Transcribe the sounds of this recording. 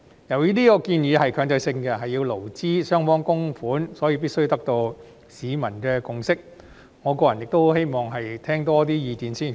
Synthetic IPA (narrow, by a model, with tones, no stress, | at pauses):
jɐ˨˩wjiː˥t̪iː˥kɔː˧kiː˧njiː˨˧hɐ˨jkʰœː˨˧ŋt͡sɐ˧jsɪ˧ŋkɛ˧ɦɐ˨jːiː˧wlo˨˩wt͡siː˥sœː˥ŋfɔː˥ŋkʊ˥ŋfuː˨˥nsɔː˨˥jiː˧p̬i˥tsɵ˥jt̪ɐ˥k̚t̪o˧w | siː˨˧mɐ˨˩nkɛː˧kʊ˨ŋsɪ˥k̚ | ŋɔː˨˧kɔː˧jɐ˨˩jɪ˨k̚t̪o˥whe˥jmɔː˨˩ŋɦɐ˨jt̪ʰɛː˥ŋt̪ɔː˥t̪iː˥jiː˨˧t̪iː˨˧nsiː˥˩n